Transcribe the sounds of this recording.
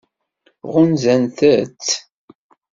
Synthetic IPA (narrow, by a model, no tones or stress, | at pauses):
ʁʊnzænθæt͡s